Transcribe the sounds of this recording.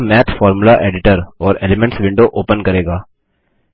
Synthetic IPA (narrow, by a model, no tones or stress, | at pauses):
mɛːt̪ʰfɔːɾmʊlaʔeːɖɪʈəɾɔːɾeːlɪmɛ̃ɳʈsʋɪ̃ɳɖoʔoːpənkɐɾeːɡaː